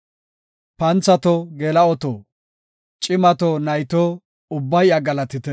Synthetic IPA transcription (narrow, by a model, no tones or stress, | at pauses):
pɐnt͡sɐt̪ɔɡɛlɐɔt̪o̰ː | t͡ʃʼɪmɐt̪onɐjt̪o | ʊbːɐjɐɡɐlɐt̪ɪt̪ɛ